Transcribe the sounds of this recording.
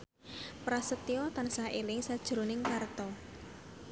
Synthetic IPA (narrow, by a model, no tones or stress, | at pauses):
pɾasət̪iɔt̪ansahʔelɪŋsad̥ʒ̥ɾo̤nɪŋkart̪ɔ